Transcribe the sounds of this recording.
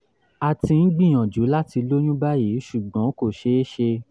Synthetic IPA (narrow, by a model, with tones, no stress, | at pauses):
a˨ti˧n̩˦ɡ͡bĩ˦˨j̃ɔ̃˨d͡ʒu˨˦la˦ti˧lo˦j̃ũ˦ba˦ji˨˦ʃu˨ɡ͡bɔ̃˨˦ko˦˨ʃe˨˦e˦ʃe˧